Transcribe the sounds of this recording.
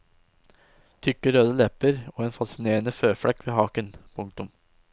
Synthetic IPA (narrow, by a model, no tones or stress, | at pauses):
t̪ʰʏkːəɾøːd̪əlɛpəɾoːeːnfɑsɪneːɾənəføːfɽɛkːʋeːhɑːkənpʰʊŋk̚t̪ʊm